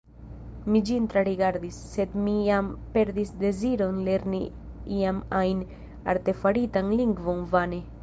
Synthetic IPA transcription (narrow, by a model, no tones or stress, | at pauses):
mid͡ʒint̪ɾaɾiɡaɾd̪isːe̞d̪mijampe̞ɾd̪isd̪e̞ziɾo̞nle̞ɾni | iamajn | a̰ɾt̪e̞faɾitanliŋɡvo̞nvane